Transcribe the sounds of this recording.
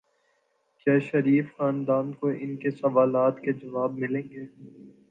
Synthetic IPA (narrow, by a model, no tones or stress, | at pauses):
kjaːʃɐɾiːfxaːnd̪aːnkoʔɪnkesɐʋaːlaːt̪ked͡ʒɐʋaːb̚mɪlẽːŋɡeː